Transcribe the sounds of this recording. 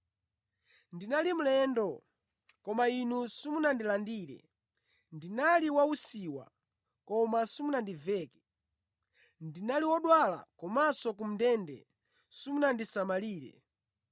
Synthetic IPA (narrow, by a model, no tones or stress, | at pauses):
ndinalim̩lɛndɔ | kɔmainusimunandilandiːɾɛ̰ | ndinaliwausiwa̰ | kɔmasimunandivɛːkɛ̥ | ndinaliwɔɗwala̰kɔmasɔkum̩dɛndɛ̰ | sumunandisamaliːɾɛ̰